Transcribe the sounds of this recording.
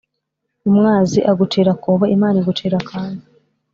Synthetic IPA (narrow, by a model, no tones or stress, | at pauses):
umŋaːziʔaɡutʰeːɾakoːβaimaːniɡutʰeːɾakʰaːndi